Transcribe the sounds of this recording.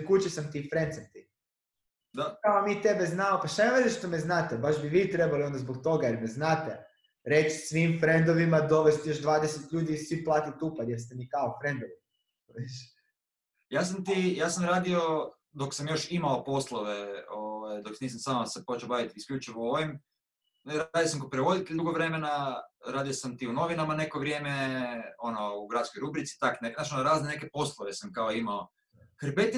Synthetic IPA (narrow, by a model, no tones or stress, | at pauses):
kut͡ɕesamt̪ifɾent̪samt̪i | d̪akaomit̪ebeznaopaʃt̪anemed̪eʃt̪omeznaːt̪ebaʒbiʋiːt̪ɾebalio̞nd̪azbokt̪o̞ɡajeɾmɛznaːt̪e | ɾet͡ʃsʋiːmfɾe̞nd̪oʋimad̪o̞ʋest̪jo̞ʒd̪ʋaːd̪eset̪ʎuːd̪iːsʋiplˠaːt̪it̪upajeɾst̪emikaofɾe̞nd̪oʋi | iʃ | jaːs̬amt̪ijaːsamɾaːd̪io | d̪o̞ksamjo̞ʃimaopo̞slˠoʋe̞oʋajd̪o̞ksniːsamsaːmasepo̞t͡ʃebaʋit̪iskʎʲut͡ʃiʋooʋim | ɾaad̪ijosamkopɾeʋo̞d̪it̪eʎd̪uɡoʋɾe̞menaɾaːd̪iosamt̪iuno̞ʋinamane̞ko̞ʋɾje̞ːmeo̞nouɡɾat̪skojɾubɾit̪si̥t̪akneknat͡ʃonoɾaːznene̞kepo̞slˠoʋesamkaoimao | xɾbet̪i